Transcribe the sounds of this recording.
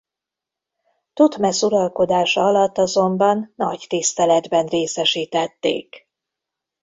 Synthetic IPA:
t̪ut̪mɛsuɾɒlko̞d̪aːʃɒɒlɒt̪ːɒzo̞mbɒnːɒ̰ct̪ist̪ɛlɛd̪bɛnreːsɛʃiːt̪ɛt̪ːḛːk

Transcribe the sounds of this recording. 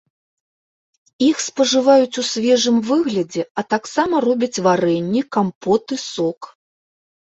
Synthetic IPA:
ixspɐʐɨvajut͡sʲusʲvʲɛʐɨmvɨɣlʲɐd͡zʲɛɐt̪aksamɐrɔbʲɐt͡sʲvaɾɛnʲːikampɔt̪ɨsɔk

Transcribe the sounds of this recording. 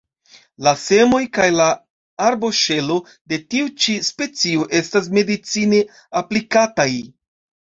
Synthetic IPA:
lase̞mo̞jkajla | aɾbo̞ʃe̞lo̞ | de̞tiut͡ʃispe̞t͡sioʔe̞stas̬me̞dit͡sine̞ | aplikataj

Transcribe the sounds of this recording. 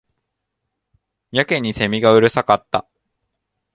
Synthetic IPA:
jake̞ɲ̟ːise̞mʲiɡaɯ̟ɾɯ̟sakat̪ːa̰

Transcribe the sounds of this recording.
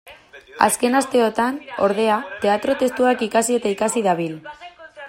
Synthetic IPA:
a̰ske̞nast̪e̞o̞t̪ano̞ɾð̞e̞at̪e̞at̪ɾo̞t̪e̞st̪uakikasie̞t̪aikasiðaβ̞il

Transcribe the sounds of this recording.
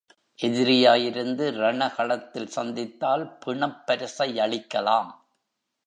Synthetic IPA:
ʔɛðɪɾɪjaːjɪɾɯnd̪ɯɾɐɳɐɣɐɭɐt̪ːɪlsɐnd̪ɪt̪ːaːlpɪɳɐpːɐɾɯsɐɪɐɭɪkːɐlaːm

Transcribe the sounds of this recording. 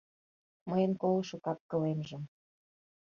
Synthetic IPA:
məjənkolɤʃukɑp̚kə̆lemʒə̆m

